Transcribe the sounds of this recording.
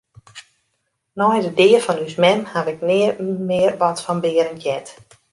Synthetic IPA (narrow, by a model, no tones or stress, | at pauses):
nɔjdədɪːərfɔnysmɛmhaʋɪk̚nɪəmɪərʋɔtfɔnbɪəɾənjɛt